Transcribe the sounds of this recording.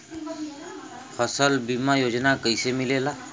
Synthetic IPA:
fʰəsəlbimajoːd͡ʒnakəisemɪlelaː

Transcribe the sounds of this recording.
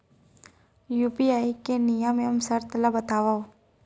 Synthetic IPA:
juːpiaːikenijamẽəmsəɾt̪labət̪aːʋao

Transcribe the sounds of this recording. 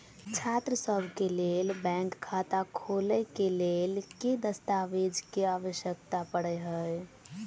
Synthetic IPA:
t͡ʃʰat̪ɾəsəbʱkelelbɛ̃ŋkʰːat̪akʰoləkelelked̪əst̪aʋid͡ʒkeaːʋəʃjək̚t̪apəɽɛɦəj

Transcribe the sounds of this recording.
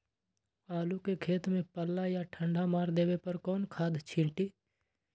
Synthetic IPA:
aːlukekʰeːt̪mẽpəlːajaʈʰə̃ɳɖʱamaːɾd̪eːʋepəɾkɔːnkʰaːd̪t͡ʃʰɪlʈiː

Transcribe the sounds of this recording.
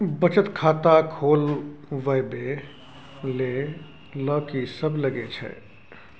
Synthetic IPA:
bət͡ʃət̪kʰaːt̪akʰoːlʋəbe | le | ləːkisəbləɡet͡ʃʰɛ̰

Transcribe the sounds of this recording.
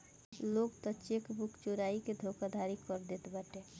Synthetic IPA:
loːɡt̪ɔt͡ʃekbʊkt͡ʃuɾaːiked̪ʱoːkad̪ʱaːɾikɔɾd̪et̪bəʈe

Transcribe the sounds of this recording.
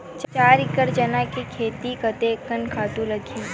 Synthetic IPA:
t͡ʃt͡ʃaːɾɪkəɾd͡ʒɐnakekʰeːt̪ikɐt̪ekənkʰaːt̪ũlɐɡʱiː

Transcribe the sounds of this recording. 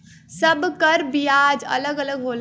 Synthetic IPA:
səbkəɾbijaːd͡ʒə̰ləɡələɡɦoːl

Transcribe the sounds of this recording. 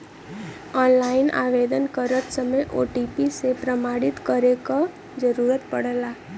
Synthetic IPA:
ɔnlaina̰ʋed̪ənkəɾət̪səməjʔo̰ʈipisepɾəmaɽit̪kəɾeka | d͡ʒəɾuɾət̪pəɽla

